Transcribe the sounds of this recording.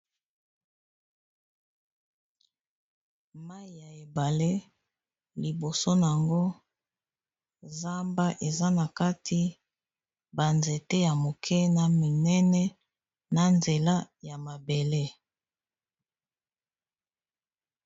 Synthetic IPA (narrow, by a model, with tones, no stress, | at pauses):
ma˦i˨ja˨e˨ba˨le˦ | li˨bo˨so˦na˨a˨ŋɡo˦ | za˦mba˦ʔe˨za˦na˨ka˦tʰi˦ | ba˨nze˨tɛ˦ja˨mo˨kʰɛ˦na˨mi˨nɛ˦nɛ˦ | na˨nze˨la˦ja˨ma˨be˨le˦